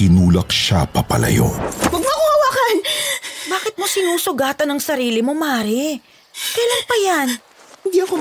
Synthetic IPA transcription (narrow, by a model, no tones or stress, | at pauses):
ɪnuːlɐk̚ʃa̰pɐpɐ̰lʔɐ̰jo̰wɐɡ̚mʊɐkoɐwakɐnbaːkɪt̪̚mosɪnuːsʊɡaːt̪ɐnɐŋsɐɾiːlɪmo̞maːɾɪ | kɐjlaŋpɐjan | hɪnd̪iɐko